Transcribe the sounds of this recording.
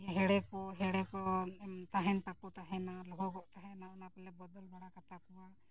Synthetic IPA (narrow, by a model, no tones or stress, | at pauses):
jɦɛɽɛkɔɦɛɽɛkɔt̪aɦɛnp̪akut̪aɦɛnalɔɦɔɡɔʔt̪aɦɛnaɔnapɛlɛbɔd̪ɔlbʱaɽakat̪apuwa